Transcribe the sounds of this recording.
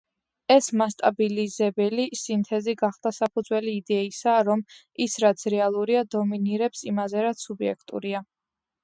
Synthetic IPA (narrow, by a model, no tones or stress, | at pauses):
ɛsmast̪ʼabilizɛbɛlisint̪ʰɛziɡaχd̪̥asapʰud̪zwɛliːd̪ɛisaɾɔm | isɾat̪sʰɾɛalˠuɾiad̪ɔminiɾɛpsimazɛɾat̪subiɛ̰kʰt̪ʼṵɾia